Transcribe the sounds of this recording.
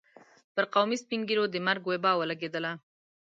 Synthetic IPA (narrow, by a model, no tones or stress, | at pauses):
pəɾqawmispiŋɡilod̪əmaɾɡwebɑwəlaɡed̪əla